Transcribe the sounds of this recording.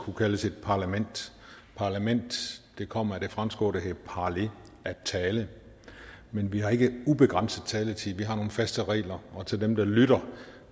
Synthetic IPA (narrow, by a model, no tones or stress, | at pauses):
kʰukʰæləsed̥̚pʰɑ̈ːlæmen̰d̥ | pʰɑ̈ːlæmen̰d̥ːe̝kʰɒ̽m̰ɐæd̥e̝fʁamsɡ̥ɔ̰ːd̥eɦepʰɑːle̝ | ʔæt͡sʰɛːlə | menʋihɑ̈e̝ɡ̥əub̥e̝ɡ̥ʁɑ̈n̰səð̩ˠt͡sʰɛːlət͡sʰiʋiɦɑ̈no̝ːn̩fæsd̥əʁɛ̰ːlɐʔɒ̽t͡sʰe̝ld̥emd̥ɑ̈lyɾ̥ɐ